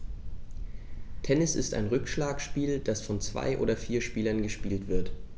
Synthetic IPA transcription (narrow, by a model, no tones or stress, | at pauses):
tʰɛnɪsɪ̰sta̰ɪnʁʏkʃlaːkʃpiːld̥asfɔnt͡sv̥a̰ɪʔo̰ːdɐfiːɐʃpiːlɐnɡəʃpiːltv̥ɪɐt